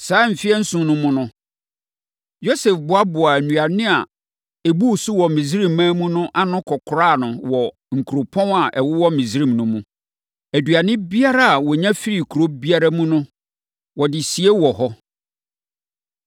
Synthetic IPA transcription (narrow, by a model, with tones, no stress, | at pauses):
saː˨˦m̩˨fɪ˦ɛ˦n̩˦sʊ̃˨˦nʊ̃˦mʊ̃˦nʊ̃˦ | jo˦sɛ˨fbʊ˨˦a˦bʊ˨a˨æ˨nũ˨a˨nɪ̃˦a̰˨ | e˨bu˦˨sʊ˦wɔ˨mĩ˨sɾĩ˦mːãː˦mũ˦nʊ̃˦ʔa˦nʊ̃˦kʰɔ˨kʰʊ˨ɾaː˦˨nʊ̃˨wɔ˨ | ŋ̩˨kʰu˨ɾo˨pʰɔ̃˦na˨ʔɛ˨wʊ˦wɔ˦mĩ˨sɾĩ˦˨mnʊ̃˦mũ˦ | æ˨du˨a˨nɪ̃˦bi˦a˦ɾa˦a˨wɔ˨ɲã˦fi˦ɾi˨kʰu˨ɾo˦bi˦a˦ɾa˦mũ˦nʊ̃˦ | wɔ˨dɪ˨si˨e˦wɔ˨ɦɔ˦